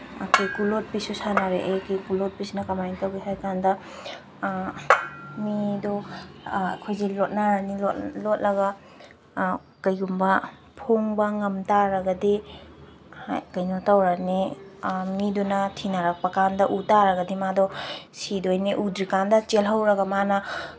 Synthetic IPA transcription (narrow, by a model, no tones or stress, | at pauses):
akʰojkulot̚pisusanaɾeʔejkikulot̚pisnɐkamajiŋtawɡisajkandɐ | midɔ̰ | kʰojzelɔt̚naɾaniɔlɔt̚lɐɡɐ | kɐjɡumbɐ | pʰoŋbɐŋɐmtaɾɐɡɐdi | akɐjnɔtawɾani | midunɐtʰinaɾak̚pɐkandɐʔutaɾɐɡɐdimadɔsidojniʔudɾikandɐt͡ʃelɦɐwɾɐɡɐmanɐ